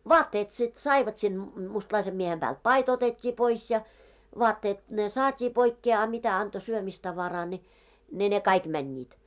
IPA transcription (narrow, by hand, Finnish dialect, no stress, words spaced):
ʋɑːtːeːt sit sɑiʋɑt sil mustlɑisem miehem b̥æːlt pɑit otetʲːiː pois jɑ ʋɔɑtːeːt ne sɑːtʲiː poikːeː ɑ mitæ ɑnto syømistɑʋɑrɑː ni ne ne kɑik mænʲːiːt